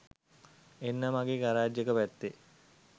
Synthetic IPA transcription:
enːəmaɡeːɡaɾaːd͡ʒəkəʋæt̪ːe

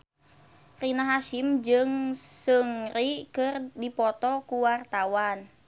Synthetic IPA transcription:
rinaɦaʃimd͡ʒɨŋsəŋrikɨrdipɔt̪ɔkuwart̪awan

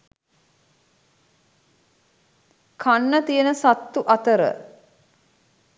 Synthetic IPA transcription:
kʰanːət̪ijənəsat̪ːuʔat̪əɾə̰

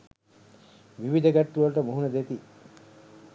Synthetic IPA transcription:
ʋiʋid̪ʱɐɡæʈːuʋɐlʈəmoɦunɐd̪et̪i

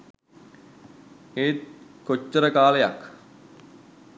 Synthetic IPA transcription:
eːt̪̚kot͡ʃːəɾəkaːlejak

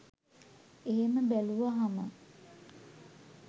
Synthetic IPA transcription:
eɦeməbæluʋaɦamə̰

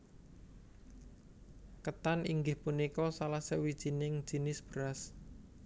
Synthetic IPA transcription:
kət̪aniŋɡɪhpunikɔsalasəwid̥ʒ̥i̤nɪŋ̥ʒ̥i̤nɪsb̥əɾas

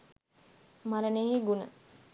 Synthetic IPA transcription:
maɾəneɦiɡunə̰

